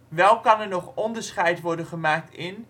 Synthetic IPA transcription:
ʋɛlˠkɑnɛɹnɔχɔndəɹsχɛjtʋɔɹdənχəmaːk̚tɪn

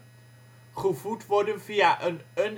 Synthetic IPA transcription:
χəvutʋɔdənfiːaʔənən

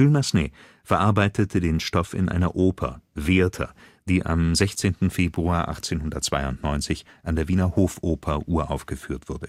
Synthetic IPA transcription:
ylmasneː | fɛɐʔaɐbaɪtʰətʰədeːnʃtɔfɪ̰nʔa̰ɪnɐʔoːpʰɐ̰veːɐtʰɐ̰ | d̥iːʔa̰mzɛçt͡seːntn̩feːbʁuaːɐʔa̰χt͡seːnhʊndɐt̚t͡sv̥aɪʊntnɔʏnt͡sɪç | ʔandeːɐviːnɐhoːfʔoːpʰɐʔuːɐʔaʊfɡ̥əfyːɐtv̥ʊɐdə

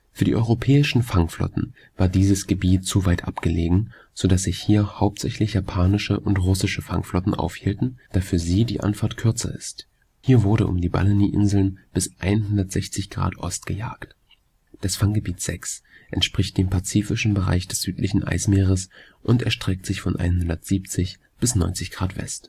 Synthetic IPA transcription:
fyːɐdiːʔɔʏʁopʰɛːɪʃn̩faŋflɔ̰tn̩ | vaːɐdiːzəsɡ̥əbiːtt͡suvaɪtʔa̰pɡ̥əleːɡŋ̩ | z̥odasz̥ɪçhiːɐhaʊp̚tz̥ɛçlɪçjaːpʰaːnɪʃəʔʊntʁʊsɪʃəfa̰ŋflɔtn̩ʔa̰ʊfhiːltn̩d̥aːfyːɐziːdḭːʔa̰nfaɐtkʰʏɐt͡sɐ̰ʔɪ̰st | hiːɐvʊɐɾə̰ʔʊ̰mdiːba̰ləniʔɪ̰nzl̩nb̥ɪsʔa̰ɪnhʊndɐtz̥ɛçt͡sɪçɡ̥ʁa̰ːtʔɔ̰stɡ̥əja̰ːkt | d̥asfaŋɡəbiːtz̥ɛ̰ksʔɛntʃpʁ̥ɪçt̚d̥eːmpʰat͡siːfɪʃn̩bəʁa̰ɪçd̥ɛsz̥yːtʰlɪçn̩ʔa̰ɪsmeːʁəs | ʔʊntɛɐʃtʁ̥ɛk̚tz̥ɪçfɔnʔa̰ɪnɦʊndɐtz̥iːp̚t͡sɪç | b̥ɪsnɔ̰ʏnt͡sɪçɡ̥ʁaːtv̥ɛ̰st

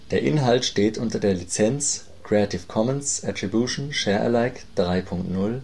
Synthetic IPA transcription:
d̥eːɐʔɪnɦaltʃteːtʔʊntɐdeːɐlit͡sɛnt͡s | kʁ̥eatʰɪfkʰɔmɛnsʔatʁ̥ibjuːʃn̩ʃɛːɐʔɛ̰laɪkd̥ʁaɪpʰʊŋk̚tnʊl

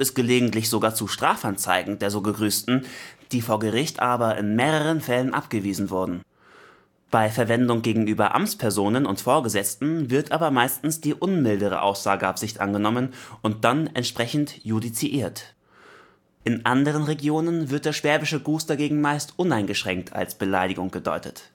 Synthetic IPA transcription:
ɪst̚ɡ̥əleːɡŋ̩tlɪçz̥oɡaːɐt͡suʃtʁ̥aːfʔant͡sa̰ɪɡŋ̩deːɐzoːɡəɡʁyːstn̩d̥iːfoːɐɡəʁ̞ɪçtʔaːbɐʔɪ̰nmeːʁəʁ̞ənfɛlənʔa̰pɡ̥əviːzn̩vʊɐdn̩ | b̥aɪfɛɐvɛndʊŋɡeːɡŋ̩yːbɐʔa̰mt͡spʰɛɐzoːnənʊntfoːɐɡəzɛt͡stn̩vɪɐtʔaːbɐmaɪstn̩sd̥iːʔʊnmɪldəʁ̞ə̰ʔa̰ʊsz̥aːɡəʔapz̥ɪçtʔa̰nɡənɔmənʔʊnt̚d̥anɛ̰ntʃpʁ̥ɛçn̩tjudit͡siʔiːɐt | ʔɪnʔandəʁ̞ənʁeɡjoːnənvɪɐt̚d̥eːɐʃv̥ɛɐbɪʃəɡuːstd̥aɡeːɡŋ̩maɪstʔʊnaɪnɡəʃʁ̥ɛŋk̚tʰa̰lsb̥əlaɪdɪɡʊŋɡ̥ədɔ̰ʏtət

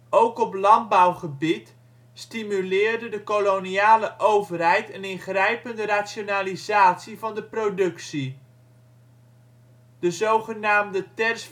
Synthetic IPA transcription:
owkɔplɑnd̚bawχəbit | stimylɪːɹdədəkoloniaːləʔowvərɦɛjtənɪnχrɛjpəndəraːtsjonaːlizaːtsivɑndəprodɵksi | d̥əzowχənaːmdətɛrs

